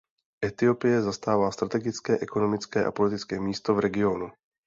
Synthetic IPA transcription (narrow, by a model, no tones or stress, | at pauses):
ʔɛt̪ɪo̞pɪjɛzast̪aːvaːst̪ɾat̪ɛɡɪt͡skɛːʔɛko̞no̞mɪt͡skɛːʔa̰po̞lɪt̪ɪt͡skɛːmiːst̪o̞vɾɛɡɪo̞nu